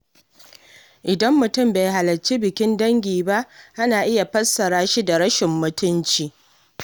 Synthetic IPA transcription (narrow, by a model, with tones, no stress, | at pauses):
ʔɪ˨dɐ˦mːʊ˨tʊ˦˨mbe˨jɦa˨lɐ˨t͡ʃi˦bɪ˨kʲɪ˦ndɐ˦ŋɡʲiː˨ba˦ʔʔa˦naː˨ʔɪ˦ja˨ɸɐ˦sːɐ˨ɽaː˦ʃi˦da˨ɾɐ˦ʃɪ˨mːʊ˨tʊ˦nt͡ʃiː˨